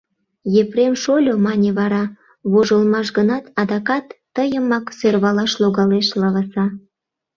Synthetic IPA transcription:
jepremʃolʲomɑnʲeβɑɾɑ | βoʒəlmɑʃɣənɑt̪ɑd̪ɑkɑt̪ːəjəmɑksørβɑlɑʃloɣɑleʃlɑβɑsɑ

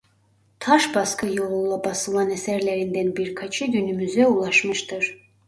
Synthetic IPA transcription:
t̪ʰaʃbaskʰɯjolˠulˠabasɯlˠanɛsæɾlʲeɾind̪ænbiɾkʰat͡ʃʰɯɟʲynymyzɛulˠaʃmɯʃt̪ʰɯɾ̥

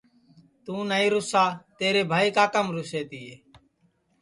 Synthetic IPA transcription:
t̪ũːnəĩːɾʊsaːt̪eːɾeːbʱaːiːkaːkəmɾʊseːt̪iːɦeː

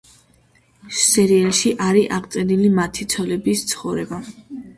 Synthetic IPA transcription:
sɛɾiɛlˠʃiʔaɾiʔaʁt̪sʼɛnilimat̪ʰit̪sʰɔlɛbist̪sʰχɔvɾɛba

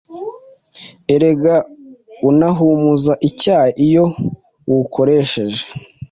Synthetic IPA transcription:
eɾe̞ɡaunaɦumuzaʔicaːjeʔijo̞ | wukʰo̞ɾeʃe̞ʒe̥

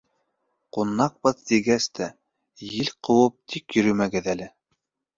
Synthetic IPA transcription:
qunːɑq̚bɤðt̪iɡæst̪ʰæ | jɘlʲqɤ̆wɤp̚t̪ʰikjɵ̆ɾɵmæɡɘðælɘ

